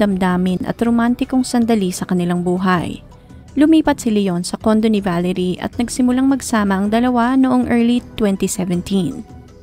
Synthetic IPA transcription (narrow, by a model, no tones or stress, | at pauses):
d̪ɐmd̪aːmɪnʔɐ̰t̪ɾomant̪ɪkoŋsɐnd̪ɐlisɐkɐnɪlaŋbuːɦɐj | lʊmiːpɐt̪̚sɪlajonsɐko̞nd̪o̞nɪvaːlɛɾiʔɐ̰t̪̚nɐɡsɪmʊlaŋmɐɡsaːmɐʔɐŋd̪ɐlɐwanoʔoŋʔɛɹlit̪wɛnt̪isɛvɛnt̪ʰin